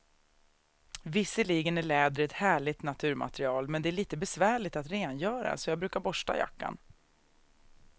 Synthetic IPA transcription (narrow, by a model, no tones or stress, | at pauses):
vɪsːəliːɡənæɭɛːd̪ɾəɛt̪hæːɭɪt̪nat̪ʰʉ̟ːɾmʔa̰t̪ɛɾɪɑːlmɛnd̪ɛæɭiːt̪əbɛsvæːɭɪt̪at̪ɾeːnjœːɾa̰sɔjɑːɡbɾʉ̟ːkaɾbɔʂʈa̰ja̰kːa̰n